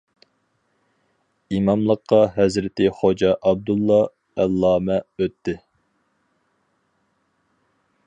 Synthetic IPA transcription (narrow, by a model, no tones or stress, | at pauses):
imɑmlˠəqʰːɑɦɛzɾɪt̪ʰɪχod͡ʒɑʔɑb̚d̪ulˠːɑ | ælˠːɑːmɛøt̪ʰːɪ